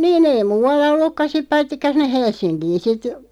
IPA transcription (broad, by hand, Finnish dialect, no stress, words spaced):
niːn ei muːɑlːɑ olːukːɑ sip pɑitːikːɑ sinːeh̆ helsˑinkiːn sit